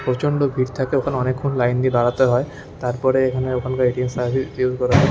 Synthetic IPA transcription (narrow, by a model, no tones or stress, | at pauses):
pɾot͡ɕoɳɖobʱiɾt̪ʰakeokʰanɔnekʰːonlajnd̪ib̪aɽat̪eɦɔe | t̪aɾpɔɾeekʰaneokʰankaeʈiensaiɾiuzkɔɾaa